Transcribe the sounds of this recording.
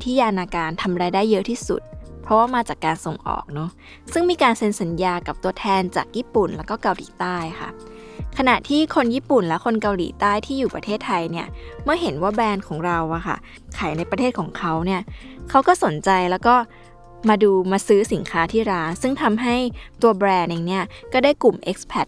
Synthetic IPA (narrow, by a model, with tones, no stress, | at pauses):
t̪ʰiː˦˥˩jaː˧naː˧kaː˧nt̪ʰa˧mɾaː˧jdaː˥˩jːɤ˦˥ʔt̪ʰiː˥˩sṵ˨˩t̪̚pʰɾɔ˦˥waː˥˩maː˧t͡ɕaː˨˩kːaː˧nso˨˩ŋʔɔ̰ː˨˩k̚nɔ˦˥ | sɯ˥˩ŋmiː˧kaː˧nse˧nsa˩˦njaː˧ka˨˩p̚t̪u˧ɐt̪ʰɛː˧nt͡ɕa̰ː˨˩k̚jiː˥˩pu˨˩nlɛ˦˥wkɔː˥˩ka˧wliː˩˦t̪aː˥˩jxʰa̰˥˩ | kʰa˧na˨˩ʔt̪ʰiː˥˩kʰo˧njiː˥˩pu˨˩nlɛ˦˥kʰo˧nka˧wlḭː˩˦t̪aː˥˩jt̪ʰiː˥˩juː˨˩pɾa˧t̪ʰeː˥˩t̪ʰːa˧jni˥˩ɐmɯ˥˩ɐɦe˩˦nwaː˥˩bɛː˧nkʰɔː˩˦ŋɾa˧wʔa˨˩xʰa̰˥˩ | kʰa˨˩˦jna˧jpɾa˧t̪ʰeː˥˩t̪̚kʰɔː˩˦ŋkʰa˦˥wni˥˩ɐkʰa˦˥wkɔː˥˩so˩˦nt͡ɕa˧jlɛː˦˥wkɔː˥˩ | maː˧duː˧maː˧sɯː˦˥si˩˦nkʰaː˦˥t̪ʰiː˥˩ɾaː˦˥nsɯ˥˩ŋt̪ʰa˧mɦa˥˩jt̪u˧ɐbɾɛː˧nɛː˧ŋni˦˥ɐkɔː˥˩daː˥˩jku˨˩mʔe˦˥k̚spʰɛ˦˥t̪̚